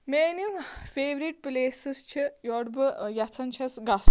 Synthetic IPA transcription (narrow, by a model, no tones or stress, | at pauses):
meːnumfeːʋɾiʈ̚pleːsist͡ʃʰijɔɽbɨjat͡sʰɐnt͡ʃʰɐsɡas